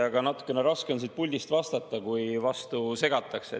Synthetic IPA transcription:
ɑɡ̥ɑnɑt̪ːˑu̥kːˑe̞ne̞ɾɑske̞o̞nsit̪̚pulʲd̪ist̪vɑst̪ɑt̪ːˑɑkujvɑst̪use̞ɡ̥ɑt̪ːˑɑksḛ

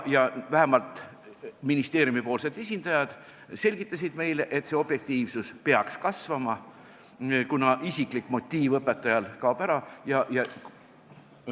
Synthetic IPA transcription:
jɑvæɦemɑlt̪ˑ | minist̪e̞ːɾjumipo̞ːlse̞d̪̥e̞sʲind̪̥ɑjɑd̪̥ | se̞lʲɡ̥it̪ˑːɑs̬id̪̥me̞jleʔe̞t̪se̞o̞b̥je̞k̚t̪iːvsuspeɑkskɑsvɑmɑ | kunɑʔisiklikːˑmo̞t̪ʲːˑiːvɤpːˑet̪ːˑɑjɑlkɑːpæɾɑjɑjɑ

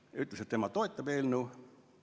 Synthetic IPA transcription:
jyt̪leset̪ːemɑt̪o̞et̪ːˑɑb̥eːlnuː

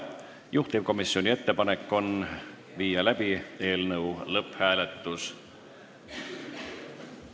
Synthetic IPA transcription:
juht̪ip̚ko̞misːio̞nʲie̞t̪ːe̞pɑne̞kːˑo̞n | viːjɑlæb̥ie̞ːlnɤwlɤphæːle̞t̪ːus

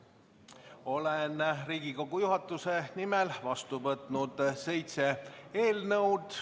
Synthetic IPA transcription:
o̞lenriːɡ̥iko̞ɡ̥ujuɦɑt̪ːˑuse̞nimelvɑst̪uvɤt̪ˑnud̪̥se̞jt̪se̞e̞ːlnɤwd̪̥

